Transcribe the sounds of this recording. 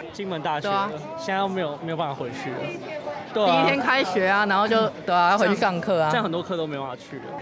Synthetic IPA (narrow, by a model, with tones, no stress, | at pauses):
t͡ɕi˦ŋwə˨˦nt̪a˥˩ɕ | ɕɛ˥na˥d̪o˥˧me˧˥ɪjo˨˩ʊme˧˥jpa˥˩fa˨˧xwe˧˦ɪt͡ɕʰy˥˩lə̰˨˩t̪we˥˩i˧˥t̪ʰjɛ˥nkʰa˦ɪɕɥɛ˨˧˥a˦na˧˥nxo˥˧ʊt͡ɕjo˥˨ʊt̪we˥˩ɪa˨jxwe˧˥t͡ɕʰy˥˩ʂɑ˥˧ŋkʰɤ˥˩a˨˥˩xə˨˩nt̪wɔ˦kʰɤ˥˧t̪o˥ʊme˧˥˧fa˥˩t͡ɕʰy˥˩lə̰˩